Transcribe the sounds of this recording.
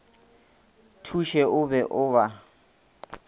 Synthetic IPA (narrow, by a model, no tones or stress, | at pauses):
tʰuʃɛʊbɛʔʊba